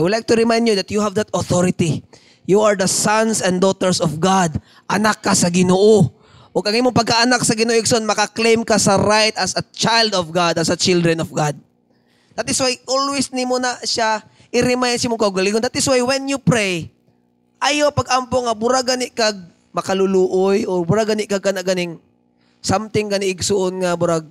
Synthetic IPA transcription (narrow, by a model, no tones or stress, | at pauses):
ʔajwɐlajk̚t̪ʊɾɪmajnd̪jʊd̪ɐt̪̚juhavd̪ɐt̪ɔθɔɾɪt̪i | juaɹd̪ɐsansɛ̃nd̪ot̪ɛɹsɔvɡad̪̚ | ʔɐnakːasɐɡɪnoːʔo | ʔoɡʔɐŋʔimoŋpɐɡ̚kaʔɐnak̚sɐɡɪnoːʔoʔɪksoʔonmɐkɐklejmkasɐɾajt̪ɐsɐt͡ʃajld̪ɔvɡad̪ɐsɐt͡ʃɪld̪ɹɛnɔvɡad̪̚ | d̪at̪ɪswajʔolwɪsnimonaʃa | ʔɪɾɪmajansimʊŋkɐʔʊɡɐliŋond̪at̪ɪswajwɛnjʊpɾɛj | ʔajopɐɡʔampoŋɐbʊɾaɡanɪʔkaɡ̚ | mɐkɐlʊluːʔojʔoɾbʊɾaɡanɪʔkaɡkanaʔɡanɪŋ | samt̪ɪŋɡɐnɪʔɪɡsʊʔonŋɐbʊɾaɡ̚